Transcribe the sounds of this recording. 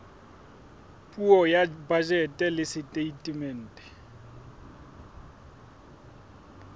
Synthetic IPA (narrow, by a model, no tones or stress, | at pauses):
pʼuɔjabad͡ʒɛtʼɛlɪsɪtʼeitʼimɛn̩ːtʼɛ̥